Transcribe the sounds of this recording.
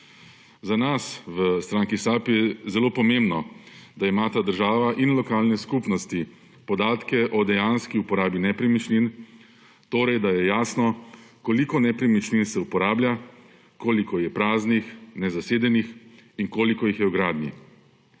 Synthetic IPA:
zanasʋəst̪ɾaːŋkisapjɛzɛloːpɔmẽmbnɔd̪aimaːt̪ad̪əɾʒaːʋaʔinlɔkaːlnɛskupnɔst̪i | pɔd̪aːt̪kɛʔɔd̪ɛjanskiupɔɾaːbinɛpɾɛmit͡ʃlin | t̪oːɾɛjd̪ajɛjaːsnɔkɔlikɔnɛpɾɛmit͡ʃlinsɛupɔɾaːblʲja | koːlikɔjɛpɾaːznixnɛzaseːd̪ɛnixinkoːlikɔjixjɛwɡɾaːd̪nḭ

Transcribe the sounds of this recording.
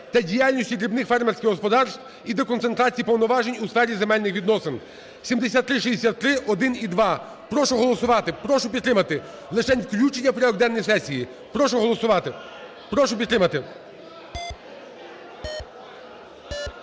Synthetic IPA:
t̪ɐdʲijalʲnʲisʲtʲikɾʲibnɪxfɛrmersʲkʲɪɣɦɔspɔd̪ɑrst̪ʋ | id̪ɔkɔnt̪e̞nt̪ɾɑt͡sʲijipɔwnɔʋɑʒenʲusfɛɾʲizemɛlʲnɪxʋʲid̪nɔsen | sʲimd̪esʲat̪ːɾɪʃizd̪esʲat̪ːɾɪʔɔd̪ɪnid̪ʋɑ | pɾɔʃʊɦɔlˠɔsʊʋɑt̪ɪpɾɔʃʊpʲid̪t̪ɾɪmɐt̪ɪ | lˠɪʃɛnʲwklʲut͡ʃenʲːɐpɾʲiɔɡd̪ɛnːɔjsɛsʲiji | pɾɔʃɔɦɔlˠɔsʊɑ | pɾɔʃʊpʲid̪t̪ɾɪmɐt̪ɪ

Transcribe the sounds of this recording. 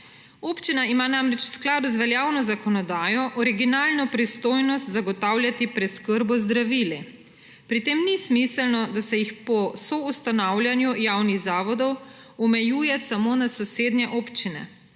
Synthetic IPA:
oːpt͡ʃinaimaːnaːmɾɛt͡ʃw̥sklaːd̪uzʋɛljaːwnɔzakɔnɔd̪aːjɔʔɔɾiɡinaːlnɔpɾist̪oːjnɔst̪zaɡɔt̪awljat̪ipɾɛtskəɾbɔzd̪ɾaʋili | pɾit̪eːmnismisəlnɔd̪asɛjixpɔsɔust̪anawlʲjanjujaːwniɣzaːʋɔd̪ɔw | ɔmɛjuːjɛsamoːnasɔseːd̪njɛʔoːpt͡ʃinɛ̰

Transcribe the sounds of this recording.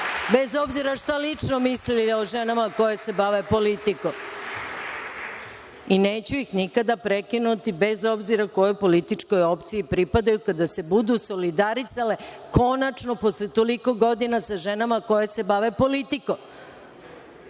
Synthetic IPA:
be̞zo̞bziɾaʃt̪alit͡ʂnomislilioʒe̞namako̞jese̞baʋe̞po̞lit̪ikom | ine̞ːt͡ɕuixnikad̪apɾekinut̪ibe̞zo̞bziɾako̞jojpo̞lit̪it͡ʂkojo̞pt̪sijipɾipad̪ajukad̪ase̞bud̪uso̞lid̪aɾisale̞ | ko̞nat͡ʂno̞po̞slet̪o̞liko̞ɡo̞d̪inasaʒe̞namako̞jese̞baʋepo̞lit̪ikom

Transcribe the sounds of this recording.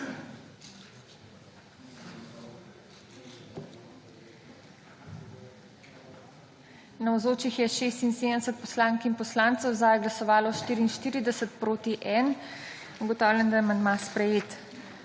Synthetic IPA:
nɐwzoːt͡ʃixjɛʃeːst̪insed̪ənɛsət̪̚pɔslaːŋkinpɔslaːnt̪səwzaːjɡlasɔʋaːlɔʃt̪iːɾiːnʃt̪iːɾid̪ɛsət̪pɾoːt̪iʔɛn | uɡɔt̪ɔːwlʲjɛnd̪ajɛmanmaspɾɛjeːt̪

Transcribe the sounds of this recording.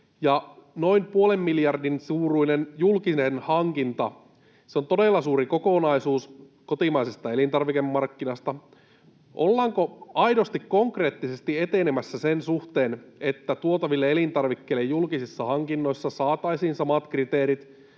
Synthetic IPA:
jɑno̞impuolemːiljɑrdinsuːruinenjulkinenhɑŋkint̪ɑ | seont̪odelːɑsuːɾikokonɑisuːs | kot̪imɑisest̪ɑe̞lint̪ɑrʋikemːɑrkːinɑst̪ɑ | ʔo̰lːɑːŋkoɑjdo̞st̪ikkoŋkre̞ːt̪ːise̞st̪iet̪enemæsːæsensuht̪eːnet̪ːæt̪uot̪ɑʋilːeelint̪ɑrʋikːeːlːejjulkisisːɑhɑŋkinːo̞isːɑsɑːt̪ɑisiːnsɑmɑt̪krit̪eːɾit̪

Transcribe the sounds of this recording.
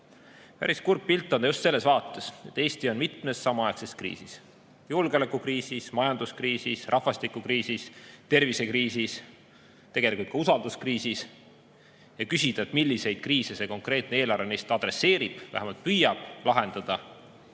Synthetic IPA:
pæ̰ɾiskurpːilt̪ːˑond̪ɑjust̪se̞lːe̞svɑːt̪ːˑe̞se̞t̪ːˑe̞ːst̪io̞nmit̪me̞sːɑmɑɑekseskrḭːsis | julɡ̥eolekːˑukriːsismɑjɑnd̪̥uskriːsisrʔɑhvɑst̪ikːˑukriːsist̪e̞rvise̞kriːsis | t̪e̞ɡ̥elikult̪kɑusɑld̪̥uskriːsis | jɑkysid̪̥ɑet̪milːise̞jd̪̥̚kriːsese̞ko̞ŋkre̞ːt̪neeːlɑrvenejst̪ɑd̪̥ɾe̞sːe̞ːɾib̥væ̰hæmɑlt̪̚pyjɑb̥lɑɦe̞nd̪̥ɑd̪̥ɑ

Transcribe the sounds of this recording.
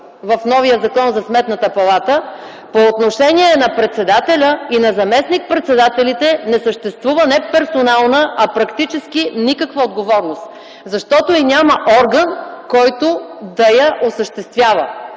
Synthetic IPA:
vɐfnɔvijəzɐkɔnzɐsmɛt̪nət̪əpɐlˠat̪ə | poːt̪noʃɛniɛnɐpɾɛt̪sɛd̪at̪ɛlʲəinɐzɐmɛsnik̚pɾɛt̪sɛd̪at̪ɛlit̪ɛnɛsəʃt̪ɛst̪vuvənɛpɛɾsonalˠnəɐpɾɐkt̪it͡ʃɛsk̟inikəkvəod̪ɡovɔɾnost̪ | zɐʃt̪ɔt̪oinʲaməʔɔɾɡənkɔjt̪od̪ɐjɐʔosəʃt̪ɛst̪vʲjavə̰

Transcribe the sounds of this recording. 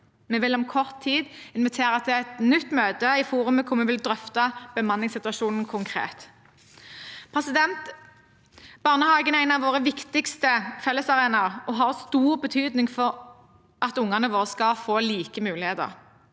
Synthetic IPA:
mɛʋɪlɔmkʰɔʁt̪ʰːiːd̪ɪnʋɪt̪ʰeːʁət̪ʰɪlɛt̪nʏt̪ːmøːd̪əɪfuːʁʉməkʰʊmɛʋɪld̪ʁœft̪ɑb̥əmɑnːɪŋsɪt̪ʉɑʃuːnn̩kʰʊŋkʰʁḛːt̪ | pʰʁɛsɪd̪ɛnt̪ | b̥ɑʁnəhɑːɡənæɪnɑʋoːʁəʋɪkt̪ɪkst̪əfɛlːəsɑʁeːnɑʁɔɦɑʁst̪uːʁbət̪ʰyːd̪nɪŋfɔʁ | ʔɑt̪ʊŋːɑnəʋoːʁskɑfoːliːkəmʉːlɪheːd̪ə̰ʁ

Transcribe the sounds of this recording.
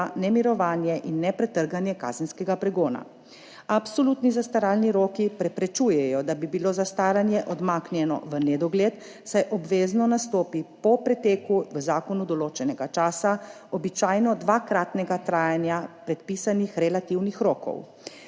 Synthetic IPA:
anɛmiɾɔʋaːnjɛʔinːɛpɾɛt̪əɾɡanjɛka̰ːzɛnskɛɡapɾɛɡoːna̰ | apsɔluːt̪nizast̪aɾaːlniɾoːkipɾɛpɾɛt͡ʃuːjɛjɔd̪abibiloːzast̪aːɾanjɛʔɔd̪maːknjɛnɔ̰ʋənɛd̪ɔɡleːt̪ | sajʔɔbʋeːznɔnast̪oːpipɔpɾɛt̪eːkuʋəzaːkɔnud̪ɔloːt͡ʃɛnɛɡat͡ʃaːsa | ɔbit͡ʃaːjnɔd̪ʋakɾaːt̪nɛɡat̪ɾaːjanjapɾɛt̪pisanixɾɛlat̪iwnixɾoːkɔ̰w

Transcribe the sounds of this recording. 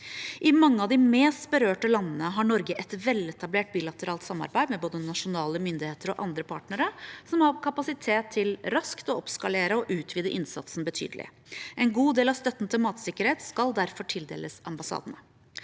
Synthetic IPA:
ʔɪmɑŋːəɑʋd̪ɪmeːst̪bəɾøːʈəlɑnːnəɦɑɳɔɾɡəʔɛt̪ʋɛlɛt̪ɑbleːʈ̚biːlɑt̪əɾɑːlt̪sɑmːɑ̰ɾbæɪd̪mɛboːd̪ənɑʂʊnɑːləmʏnd̪ɪheːt̪əɾɔʔɑnd̪ɾəpʰɑ̰ːʈnəɾəsɔmhɑɾkʰɑpɑsɪt̪ʰeːt̪ʰːɪlɾɑskt̪ɔɔpskɑleːɾəɔʔʉːt̪ʰʋiːd̪əʔɪnsɑ̰t̪sn̩bət̪ʰy̰ːd̪əlɪ̰ | ʔɛnɡuːd̪eːlɑʋst̪œt̪ːn̩t̪ʰɪlmɑːt̪sɪkːəɾheːt̪skɑld̪æɾfɔʈʰɪld̪ḛːləsɑmbɑsɑ̰ːd̪ənə

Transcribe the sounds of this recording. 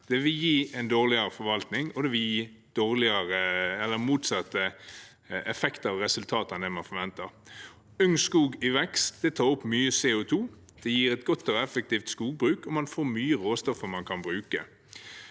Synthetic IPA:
d̪̥ɛʋɪljiːɛɪnd̪oːʁlɪɑɾəfɔɾʋɑlt̪nɪŋɔd̪ɛʋɪljiːd̪̥oːʁlɪɑʁəɛlːəɾmuːt̪sɑt̪ːə | ɛfɛkt̪əɾɑʋɾɛsʉlt̪ʰɑːt̪ɑnd̪ɛmɑnfɔɾʋɛnt̪əɾ | ʉŋnskuːɡɪʋɛkst̪d̪̥ɛt̪ʰɑːʊpːmyːəsɛʊt̪ʰuː | d̪̥ɛjiːɾɛt̪ɡɔt̪ːɔɛfɛk̚t̪iːft̪skuːɡ̚bɾʉːkɔmɑnfoːɾmyːəʁoːst̪ɔfəɾmɑnkʰɑnbɾʉːkə

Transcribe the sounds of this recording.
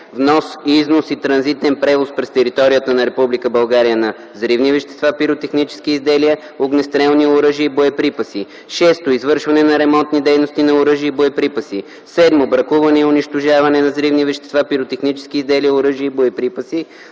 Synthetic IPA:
vnɔsiznosit̪ɾɐnzit̪ɛnpɾɛvospɾɛst̪ɛɾit̪ɔɾijət̪ənɐɾɛpublikəbɐlˠɡaɾijənɐ | zɾivnivɛʃt̪ɛ̥st̪vapiɾot̪ɛxnit͡ʃɛ̥sk̟iːzd̪ɛliə | oɡnɛst̪ɾɛlˠniʊɾəʒiəiboɛpɾipɐsi | ʃɛst̪oizvɤɾʃvɐnɛnɐɾɛmɔnt̪nid̪ɛjnost̪inɐʊɾɤʒiəiboɛpɾipəsi | sɛd̪mobɾɐkuvɐnɛiʊniʃt̪oʒavɐnɛnɐzɾivnivɛʃt̪ɛ̥st̪vapiɾot̪ɛxnit͡ʃɛ̥sk̟iːzd̪ɛliəʊɾɤʒiəiboɛpɾipəsi

